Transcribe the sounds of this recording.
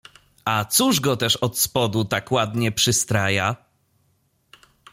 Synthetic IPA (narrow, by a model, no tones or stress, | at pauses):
at̪suʐɡɔt̪ɛʂɔt̪spɔd̪ut̪akwad̪ɲɛpʂɘst̪ɾaja